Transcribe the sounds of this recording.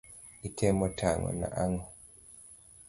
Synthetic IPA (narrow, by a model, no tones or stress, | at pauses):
itʰɛmɔtʰaŋɔ̰na̰ʔaŋɔ